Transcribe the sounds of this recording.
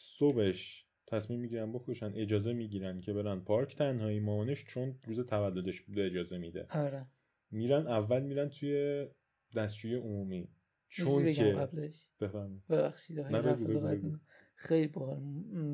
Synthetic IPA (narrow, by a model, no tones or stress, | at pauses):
sobe̞ʃ | t̪ʰæsmiːmːiɟiːɾænbo̞kʰoʃænʔe̞d͡ʒɒːzemiɟiːɾæncʰe̞be̞ɾæn̚pʰɒɾcʰt̪ʰænɦɒːimɒːɒneʃt͡ʃʰonɾuːzet̪ʰævælːo̞d̪e̞ʃbuːd̪eed͡ʒɒːze̞mid̪ḛɒɾe | miɾænævːælmiːɾænt̪ʰuje̞ | d̪æstt͡ʃuːjeomuːmi | t͡ʃʰonbekeableʃ | b̥efæɾmi̥b̥ebæxʃid̪næbeɡueɡu | xejlibɔhɾ